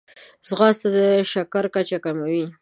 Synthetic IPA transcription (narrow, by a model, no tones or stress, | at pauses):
zɣɑst̪ad̪əʃakaɾkat͡ʃakamawi